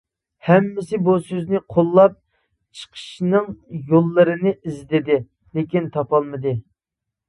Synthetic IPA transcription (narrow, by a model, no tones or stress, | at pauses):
hɛmːɪsɪbusøznɪqʰolˠːɑp̚ | t͡ʃʰə̥qʰə̥ʃnɨŋjolˠːəɾɨnɨʔizd̪ɪd̪ɪ | lekʲint̪ʰɑpɑlˠmɨd̪ɨ